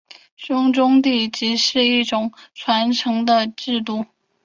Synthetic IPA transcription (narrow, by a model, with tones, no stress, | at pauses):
ɕʊ˥ŋʈ͡ʂʊ˥ŋt̪̬i˥˩t͡ɕi˧˥ʂɻ̩˥˧i˥˩ʈ͡ʂʊ˨˩ŋʈ͡ʂʰwa˧˥nʈ͡ʂʰɤ˧˥ŋd̪ə˧ʈ͡ʂɻ̩˥˧t̪̬u˥˩